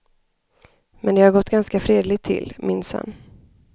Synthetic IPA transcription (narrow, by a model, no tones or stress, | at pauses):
mʔɛnd̪ɛhaɾɡɔt̪ːɡanskafɾeːd̪lɪɡ̚t̪ʰːɪ̰lːmɪnsa̰nː